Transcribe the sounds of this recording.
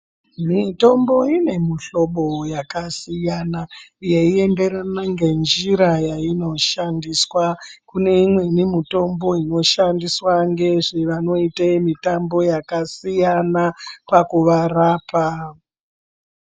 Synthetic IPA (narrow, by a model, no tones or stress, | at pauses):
mito̞mbo̞ine̞miɬo̞ɓo̞jakasijanajeie̞nde̞ɾanaŋɡe̞nd͡ʒiɾajaino̞ʃandiswakune̞imwe̞nimito̞mbo̞ino̞ʃandiswaŋɡe̞ʐeʋano̞itemitambo̞jakasijanapakuʋaraːpa